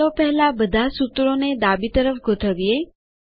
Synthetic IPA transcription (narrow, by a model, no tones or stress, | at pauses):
opəɦɛlabəd̪ʱasut̪ɾoned̪abit̪əɾəfɡʱot̪ʰəʋie